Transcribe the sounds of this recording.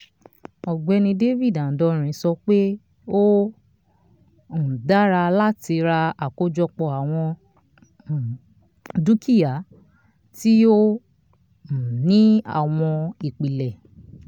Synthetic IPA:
ɔ˨ɡ͡bɛ˧nĩ˧de˦vi˦˨dã˨dɔ˧˦ɾ̃ĩ˧˦sɔ˧k͡pe˦ | o˦˨ | da˦ɾa˧la˦ti˧ɾa˧a˨ko˦d͡ʒɔ˧k͡pɔ˧˨a˨w̃ɔ̃˧˨ | du˦kʰi˦˨ja˨˦ | ti˦o˦˨ | nĩ˦a̰˦˨w̃ɔ̃˧i˨k͡pi˨lɛ˨

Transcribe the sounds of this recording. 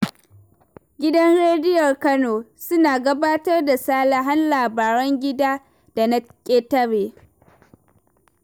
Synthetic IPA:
ɡʲɪ˦dɐ˦nɽeː˦dɪ˦jɔ˨rkɐ˦noː˨sʊ˦naː˨ɡɐ˦baː˦tɐ˦rda˨saː˦la˨ɦa˦nlaː˨baː˨ɾɔ˦ŋɡʲɪ˦daː˦ | d̥a˨na˦kʲʼeː˦tɐ˦ɽeː˨

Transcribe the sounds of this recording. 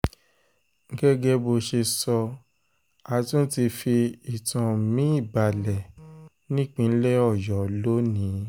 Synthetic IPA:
ŋ̩˦ɡɛ˦ɡɛ˦bo˧ʃe˧sɔ˧ | a˧tũ˦ti˧fi˧i˨tã˨mĩ˦i˦˨ba˨lɛ˨ | nĩ˦k͡pĩ˧n̩˦lɛ˦ɔ˦˨jɔ˨lo˦nĩ˨˦

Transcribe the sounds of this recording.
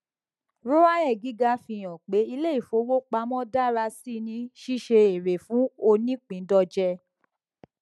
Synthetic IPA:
ɾo˦a˦ɛ˦˨ɡi˨˦ɡa˧˦fi˧˨j̃ɔ̃˨k͡pe˨˦i˧le˦i˦˨fo˧˦wo˦k͡pa˧mɔ̃˦da˦ɾa˧si˦˨nĩ˦ʃi˦ʃe˧e˨ɾe˨fũ˨˦o˧nĩ˦k͡pĩ˨˦dɔ˧d͡ʒɛ˧

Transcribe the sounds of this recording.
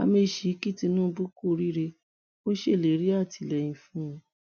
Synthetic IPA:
a̰˧me˧ʃi˨˦ki˦˨ti˧nũ˦˧bu˦ku˦˨ɾi˦ɾe˧ | o˦ʃe˦˨le˨˦ɾi˦a˦˨ti˨lɛ˨jĩ˧fũ˦˧˦

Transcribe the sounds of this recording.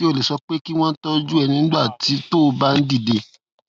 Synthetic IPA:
i˦o˦˨le˨sɔ˧k͡pe˦ki˦w̃ɔ̃˦n̩˦tɔ˦d͡ʒu˦ɛ˧nĩ˧n̩˦ba˦˨ti˨˦to˦˧ba˦n̩˦di˦˨de˧

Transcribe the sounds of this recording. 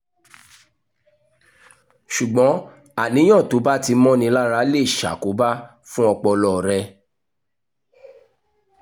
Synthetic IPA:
ʃu˨ɡ͡bɔ̃˨˦ | a˦˨nĩ˨˦j̃ɔ̃˦˨to˨˦ba˦ti˧mɔ̃˦nĩ˧˦la˦ɾa˨˦le˦˨ʃa̰˨ko˨˦ba˦ | fũ˦ɔ˧k͡pɔ˧lɔ˦˨ɾɛ˧

